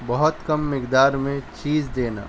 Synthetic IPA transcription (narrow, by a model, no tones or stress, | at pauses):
bɐɦɔt̪kɐmːɪkd̪aːɾmẽt͡ʃiːzd̪eːna̰ː